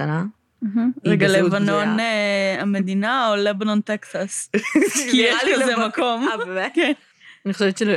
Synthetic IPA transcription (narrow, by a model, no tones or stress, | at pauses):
ana | aɦm̩leɡalevano̞named̪inaolebano̞nt̪eksas | kijeʃkazemako̞mken | niχoʃevt̪t͡ʃel